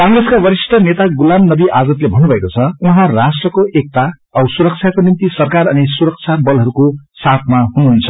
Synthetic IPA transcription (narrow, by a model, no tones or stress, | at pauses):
kãŋreskabʌɾisʈʰʌnet̪aɡulamnʌbiʔad͡zʌt̪lebʱʌnːubʱʌekot͡sʰʌuɦãrasʈrʌkoʔek̚t̪a | ʌbsuɾʌk̚t͡sʰjakonimt̪isʌrkarʌnisuɾʌk̚t͡sʰabʌlɦʌɾukosat̪ʰmaɦunuɦunt͡sʰʌ̥